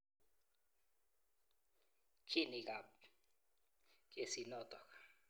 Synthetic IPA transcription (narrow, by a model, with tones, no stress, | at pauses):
kʰi˦ni˨k̬ʼa˨p | k̬ʼe˨si˨nɔt̪ʼɔkʰḁ